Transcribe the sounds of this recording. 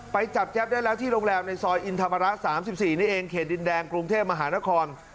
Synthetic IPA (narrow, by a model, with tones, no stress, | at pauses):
pa˧jt͡ɕa˨˩p̚t͡ɕɛ˦˥p̚daː˥˩jlɛː˦˥wt̪ʰiː˥˩ɾo˧ŋlɛː˧mna˧jsɔː˧jʔi˧nt̪ʰa˧mːa˧ɾa˦˥saː˩˦msi˨˩p̚siː˨˩niː˦˥ʔeː˧ŋkʰeː˨˩t̪̚di˧ndɛː˧ŋkɾu˧ŋt̪ʰeː˥˩p̚ma˧ɦaː˩˦na˦˥kʰɔː˧n